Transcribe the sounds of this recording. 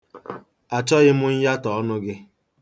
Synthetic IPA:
a˨t͡ʃɔ˦ɣɪ˦mʊ˦ɲ̩˦ja˦tɔ˨ɔ˦nʊ˦ɡɪ˦

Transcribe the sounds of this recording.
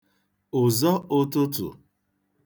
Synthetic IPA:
ʊ˨zɔ˦ʊ˦tʊ˦tʊ̰˨

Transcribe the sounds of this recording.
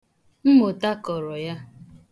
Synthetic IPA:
m̩˦mo˨ta˦kɔ˨ɾɔ˨ja˦

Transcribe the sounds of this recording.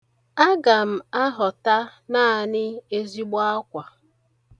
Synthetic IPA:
a˦ɡa˨m̩˨a˦ɦɔ˨ta˦naː˦a˨nɪ˦e˦zi˦ɡ͡bɔ˦a˦kʷa˨

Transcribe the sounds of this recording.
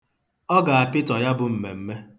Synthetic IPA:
ɔ˦ɡa˨a˨pɪ˦tɔ˨ja˦bʊ˨m̩˨me˨m̩˦me˦

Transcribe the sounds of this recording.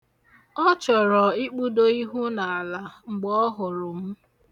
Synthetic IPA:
ɔ˦t͡ʃɔ˨ɾɔ˨i˦k͡pu˦do˦i˦ɦu˦na˨a˨la˨ŋ͡m̩˨ɡ͡bɔ˦ɦʊ˨ɾʊ˨m̩˦

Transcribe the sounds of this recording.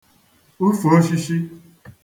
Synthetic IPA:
u˦fo˨˦ʃi˦ʃi˦

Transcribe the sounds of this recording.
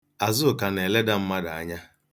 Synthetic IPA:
a˨zʊ˦˨ka˨ne˨le˦da˦m̩˦ma˦da˨a˦ɲa˦

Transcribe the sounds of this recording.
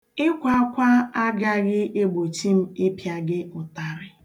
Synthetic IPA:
ɪ˦kʷa˦a˦kʷa˦a˦ɡa˦ɡɪ˦ʔe˦ɡ͡bo˨t͡ʃi˦m̩˦ɪ˦pja˦ɡɪ˦ʊ˨ta˨ɾɪ˨

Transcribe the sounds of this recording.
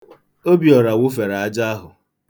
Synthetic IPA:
o˦bi˨ɔ˨ɾa˨wʊ˦fe˨ɾa˨a˦d͡ʒa˦a˦ɦʊ˨

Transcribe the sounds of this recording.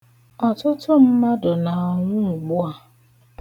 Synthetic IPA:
ɔ˨tʊ˦tʊ˦m̩˦ma˦dʊ˨na˨ɔ˨ŋʷʊ˦˨ɡ͡bʊ˦a˨

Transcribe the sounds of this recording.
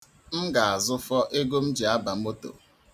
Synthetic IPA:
m̩˦ɡa˨a˨zʊ˦fɔ˦ʔe˦ɡo˦m̩˦d͡ʒi˨a˦ba˨m̩˦o˦to̰˨

